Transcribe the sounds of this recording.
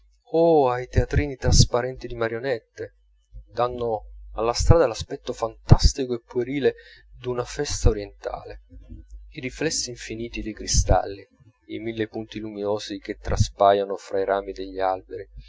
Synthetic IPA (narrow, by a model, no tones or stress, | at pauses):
oajt̪eat̪ɾiːnit̪ɾaspaɾɛnt̪id̪imaɾjonɛt̪ːe | d̪anːoalːast̪ɾaːd̪alaspɛt̪ːofant̪ast̪ikoepːueɾiːled̪unafɛst̪aoɾjent̪a̰ːle | iɾiflɛsːiːɱfiniːt̪id̪ejkɾist̪a̰lːi | imilːepunt̪iluminoːsik̟et̪ːɾa̰spaːjanofɾaiɾaːmid̪eʎːialbeɾi